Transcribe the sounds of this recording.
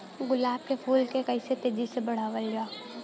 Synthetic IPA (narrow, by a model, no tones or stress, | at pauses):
ɡʊlaːb̚kepʰuːlkekɐiset̪eːd͡ʒisebɐɽ̤aːʋəld͡ʒaː